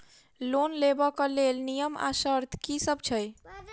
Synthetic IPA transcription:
lonlebɔkəlelnijəma̰səɾt̪ʰkisəb̚t͡ʃʰəj

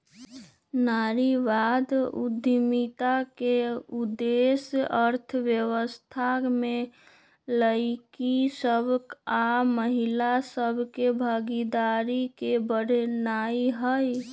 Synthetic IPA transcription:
naɾiʋad̪ṵd̪mit̪akeud̪esəɾt̪ʰəʋjəwəst̪ʰame | ləɪkisəbʱkaməɦilasəbʱkebʱaɡid̪aɾikebəɽ̤ʱnaiɦəj

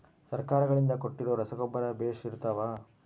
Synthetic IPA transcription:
sɐɾkaːɾɐɡɐɭind̪ɐko̞ʈːiɾoːɾɐsɐɡɔbːɐɾɐbeːʂiɾt̪ɐːʋa

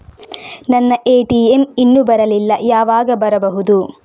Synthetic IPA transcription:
nɐnːɐʔeːʈieminːubɐɾɐlilːɐjaːʋaːɡɐbɐɾɐbɐɦud̪u

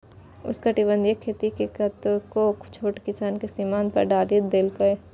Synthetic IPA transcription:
ʊ̰skɐʈibə̃nd̪ijekʰeːt̪ikekɐt̪kokt͡ʃʰoːʈkɪsaːnkesimaːnpɐ̰ɾɖaːld̪eːlkɐe

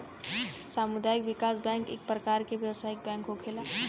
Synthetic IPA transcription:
saːmʊd̪aːjɪkʋɪkaːsbɛ̃ːŋkḛːk̚pɾəkaːɾkeʋjɐwsaːɪk̚bɛ̃ːŋkɦokʰeːlaː

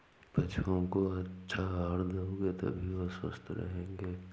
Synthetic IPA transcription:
bɐt͡ʃʰõkoɐtːʃʰaɦaːɾd̪aõɡeːt̪ɐ̰bʱiʋoswə̰st̪ʰɾɐ̰ɦẽːŋɡeː

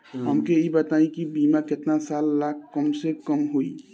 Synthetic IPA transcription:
ɦəmkeibət̪aĩkibimakɪt̪nasalːak̚ʰːəmsekəmɦoi

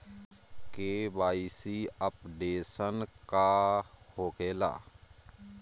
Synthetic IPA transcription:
keːʋaːiːsiːəpɖeːsənkaːhoːkeːla̰ː

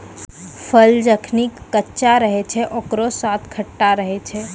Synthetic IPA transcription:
pʰəld͡ʒəkʰnikːətːʃaɾəɦɛt͡ʃʰɛʔokɾosat̪ʰkʰəʈːaɾəɦɛt͡ʃʰɛ

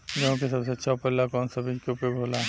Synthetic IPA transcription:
d͡ʒɦõkesɐbseətːʃʰaʊpəllːakɔːnsəbɪ̃d͡ʒkeupeɡʱoːla

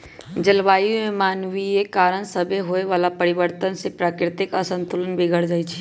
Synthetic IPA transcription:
d͡ʒəlʋaːjõmẽmaːnʋiekaːɾənsəbʱeɦoeʋaːlapəɾɪʋəɾt̪ənsepɾaːkɾɪt̪ɪkəsə̃nt̪ʊlənbʱɪɡʱəɽ̤d͡ʒaːit͡ʃʰi̥

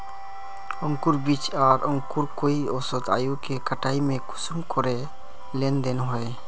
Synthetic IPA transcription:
ɔ̃ŋkuɾbit͡ʃaːɾɔ̃ŋkuɾkoiɔsot̪a̰ːjukekəʈaːimẽkʊ̥smkʰɔɾe | lend̪enɦɔe

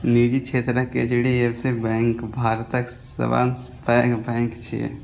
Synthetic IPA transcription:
nid͡ʒit͡ʃʰeːt̪ɾəkḛt͡ʃiɽiebsɪɾbɛ̃ːŋkbʱaːɾt̪ək | ə̰ba̰ːns | pɛkbɛ̃ːŋkt͡ʃʰḭ

